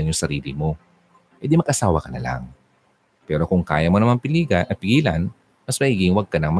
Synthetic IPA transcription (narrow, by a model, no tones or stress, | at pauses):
ɐnjʊŋsɐɾiːlɪmo̞ | ʔɛd̪imɐɡʔɐsaːwɐkɐnɐ̰la̰ŋ | pɛːɾo̞kʊŋka̰ːjɐmonɐmɐnpɪliːɡɐʔɐpɪɡiːlɐn | mɐsmɐhiːɡɪŋwɐɡ̚kɐnɐŋmɐ